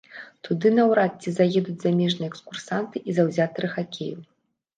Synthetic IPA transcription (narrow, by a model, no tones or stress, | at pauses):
t̪ud̪ɨnɐwɾat͡sʲizajɛd̪ud͡zʲzamʲɛʐnɨjɛkskursant̪ɨʔizawzʲat̪ɨɾɨxakʲḛju